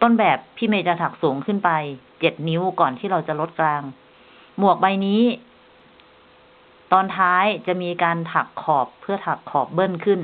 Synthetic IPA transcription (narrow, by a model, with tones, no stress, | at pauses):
t̪o˥˩˨nbɛː˨˩pʰːiː˥˩meː˧t̪ɾa˧t̪ʰa˨˩k̚suː˩˦ŋkʰɯ˥˩npa˧jt͡ɕe˨˩t̪̚ni˦˥wkɔː˨˩nt̪ʰiː˥˩ɾa˧wt͡ɕa˨˩lo˦˥t̪̚klaː˧ŋ | mu˨˩ək̚ba˧jniː˦˥ | t̪ɔː˧nt̪ʰaː˦˥jt͡ɕa˨˩ʔmiː˧kaː˧nt̪ʰa˨˩kʰːɔː˨˩pʰːɯ˥˩ɐt̪ʰa˨˩kʰːɔː˨˩p̚bɤ˥˩ŋkʰɯ˥˩n